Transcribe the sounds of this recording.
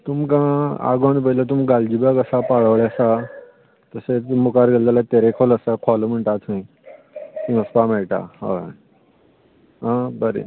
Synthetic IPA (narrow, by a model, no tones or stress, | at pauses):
t̪umkãa̰ɡoɳ̃pəilat̪̬umɡald͡ʑibakəsapaɭəʋɭasa | t̪əset͡smukaɾɡellalat̪eɾekʰɔləsakʰɔləm̤əɳʈ̪at͡s̪ʰə̃ĩ | kĩəspamɛɭʈa̰a̰ | ɦãbəɾḛ